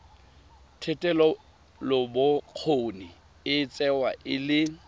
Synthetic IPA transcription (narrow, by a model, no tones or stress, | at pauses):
tʰɛtʼɛlɔ | lɔbʊq͡χʰoni | ɪt͡sʼɛwaʔɪlɪ